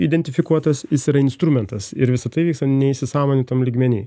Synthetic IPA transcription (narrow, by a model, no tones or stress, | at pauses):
id̪ʲɛnʲt̪ʲɪfʲɪkuɔt̪ɐsjɪsiːɾɐɪnst̪ɾumʲɛnt̪ɐsɪ̰ɾʋʲɪsɐt̪ɐɪʋʲiːkst̪ɐnʲɛɪsʲɪsɑːmoːnʲɪt̪ɐmlʲiːɡmʲɛnʲḭː